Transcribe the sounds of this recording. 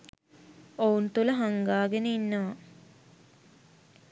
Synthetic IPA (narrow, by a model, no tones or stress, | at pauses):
ount̪uləɦaŋɡaːɡenəinːəʋa